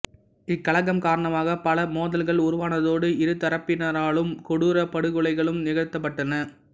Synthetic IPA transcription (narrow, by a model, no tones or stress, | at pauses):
ɪkːɐɭɐŋɐmkaːɾɐɳɐmaːɣɐpɐlɐmoːðɐlɣɐɭʊɾʊʋaːnɐðoːɽɯɪɾɯt̪ːɐɾɐpːɪnɐɾaːɭɯmkɔɽuːɾɐpɐɽɯɣɯɭɐɪɣɐɭɯmnɪɣɐɻt̪ːɐp̬ːɐʈːɐnɐ